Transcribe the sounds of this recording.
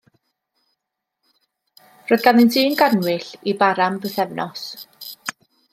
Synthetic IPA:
rojðɡanɪndiːnɡanwɪɬibaɾambəθɛvnʔɔs

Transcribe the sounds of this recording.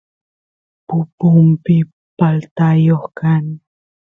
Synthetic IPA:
pupuŋpi | palt̪ajɔhkan

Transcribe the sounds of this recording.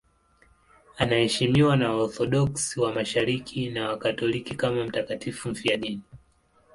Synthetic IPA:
anahɛʃimiwanaɔɾθɔɗɔksiwamaʃaɾikʰinawakatɔlikikamam̩takatifum̩fiaɗini

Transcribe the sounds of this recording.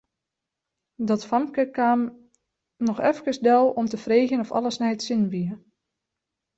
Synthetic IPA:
dɔtfamkəkanː | ɔxɛfkəsdɛlˠɔmtəfreːxjənɔfɔ̰lˠəsnɛjətsɪnʋiə

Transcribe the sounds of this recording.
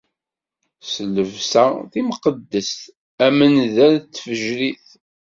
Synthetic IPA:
sələvsæθimqəd̪ːəst̪ | æmənðælt͡sːfəʒɾiθ

